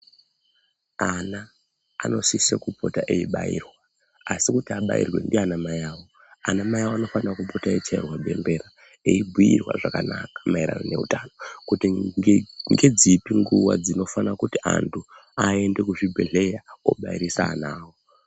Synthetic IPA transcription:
ana̰ː | no̞sisekupʰo̞taʔe̞iɓa̰ḭrwaː | sikutiaɓa̰ḭrwe̞̰ndianamajaːwo̞ | anamajawoano̞fanarakupʰo̞tae̞t͡ʃairwaɓʱe̞̰mbe̞ɾa | e̞ibʱujirwa̰ʐakanakḁmaiɾa̰none̞utano̞kuti | ŋɡe̞d͡zipiŋɡuwa̰d͡zino̞fanakutiʔa̰ntʰuae̞nde̞kuʐibʱeɮe̞jao̞̰ɓaiɾisaːnaːwo

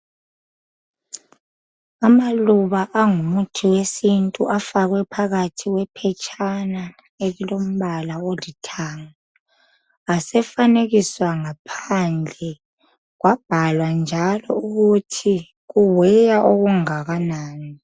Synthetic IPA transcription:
amaluβaʔaŋumutʰiwesintʼuʔafaɣwɛpʰaɣatʰiwɛpʰɛt͡ʃʼʰana | elilom̩βalawolitʰaŋa | asɛfaneɣiswaŋapʰand͡ɮʱɛ | ɣwab̥ʱalwand͡ʒʱalɔuɣutʰi | ɣuwɛjaʔoɣuŋaɣanaːni

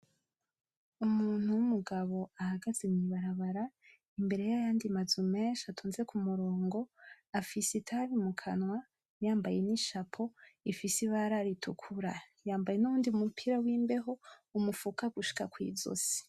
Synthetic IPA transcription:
umuːn̥huwumuɡaβo̞ahaɡazemɲiβaɾaβaɾa | imbe̞ɾe̞jajaːndimazumeːnʃatʰuːnze̞kʰumuɾo̞ːŋɡo̞ | afisitʰaɾimukʰa̰nwa | jaːmbaje̞niʃapʰo̞ifisiβaɾaɾitʰukʰuɾa | jaːmbaje̞nuuːndiumupʰiɾawiːmbe̞ɦo̞umufukaɡuʃi̥kakwḭːzo̞̰si̥

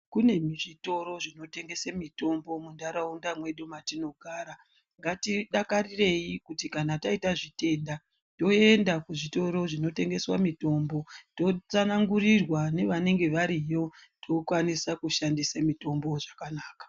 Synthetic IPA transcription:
kune̞miʐito̞ɾo̞ʐino̞te̞ŋɡe̞samito̞mbo̞mundaɾaundamwe̞ɗumatino̞ɡʱaːɾa | ŋɡatiɗakarire̞jikutikanataitaʐite̞nda | to̞e̞ndakuʐito̞ɾo̞ʐino̞te̞ŋɡe̞swamito̞mbo̞to̞t͡sanaŋɡurirwane̞ʋane̞ŋɡe̞ʋaɾijo̞tʰokwanisakuʃandisamito̞mbo̞ʐakanaːkḁ

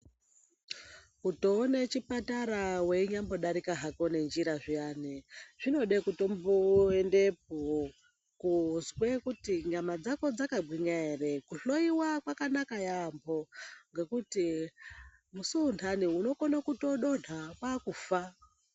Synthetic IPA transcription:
kutoːnet͡ʃipataɾawe̞iɲambo̞ɗaɾikaɦako̞ne̞nd͡ʒiɾaʐijaneʐ̥ino̞ɗekuto̞mboende̞p̚o | kuzwekutiɲamad͡zako̞d͡zakaɡwiɲaere̞kuɬo̞iwakwakanakajambo̞ŋɡe̞kuti | musuːntʰaniuno̞konakuto̞ɗo̞nʰakwakufa

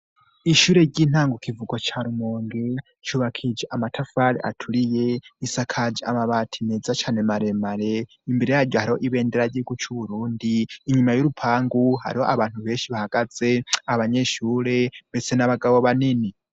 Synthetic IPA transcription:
iʃuɾeɟin̥aːŋɡokʰivuɡot͡ʃʰaɾumoːŋɡe | t͡ʃuβakʰid͡ʒeʔamatʰafaɾiʔa̰tʰulijeisakʰad͡ʒiamaβatʰineːd͡zat͡ʃʰaːnemaɾemaɾe | imbeɾejaɾɟohaɾiho̞ʔiβeːndeɾaɟiɡut͡ʃʰuβuɾuːndiːɲumajoɾupʰaːŋɡuha̰ɾihoʔaβaːn̥huβe̞ːnʃiβahaɡad͡zeaβaɲeʃuːɾembet͡senaβaɡaβoβanini

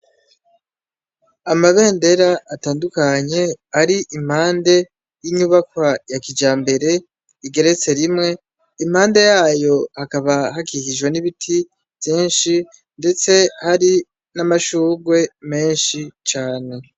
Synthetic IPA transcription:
amaβe̞ːnde̞ɾaːtaːndukaɲe̞aɾiʔim̥haːnde̞ | jiɲuβakwajakid͡ʒaːmbe̞ɾe̞ | iɡe̞ɾe̞t͡se̞ɾimŋe̞ | imhaːnde̞jaːjo̞hakaβaɦakihiʒɡweniβitʰi | vjiːnʃi | nde̞t͡se̞haɾi | namaʃuːɡwe̞me̞ːnʃit͡ʃaːne̞

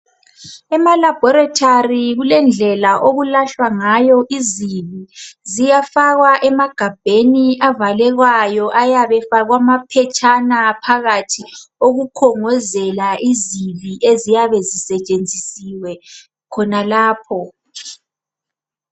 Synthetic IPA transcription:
ɛmalabʱɔɾatʰariɣulɛnd͡ɮʱɛlaʔoɣulaɬwaŋajɔʔiziβizijafaɣwaʔɛmaɡ̥ʱab̥ʱeniavalɛɣwajɔʔajaβɛfaɣwamapʰɛt͡ʃʼanapʰaɣatʰioɣukʰɔŋɔzɛlaʔiziβiʔezijaβɛzisɛt͡ʃʼend͡zʱisiwɛ | kʰɔnalaːpʰɔ

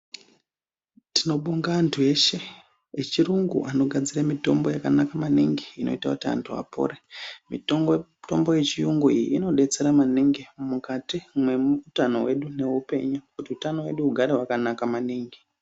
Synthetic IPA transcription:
tino̞ɓuŋɡaːntʰue̞ʃe̞ | et͡ʃiruŋɡṵano̞ɡʱad͡ziramito̞mbo̞jakanakamaniŋɡeino̞̰itakutia̰ntʰua̰po̰ɾemito̞mboje̞t͡ʃijuŋɡuijḭːno̞ɗe̞t͡se̞ɾamaniŋɡemukatimwe̞muutano̞̰we̞ɗune̞ɦupe̞̰ɲukutiutanowe̞ɗuuɡʱaɾeɦwakanakamaniːŋɡe

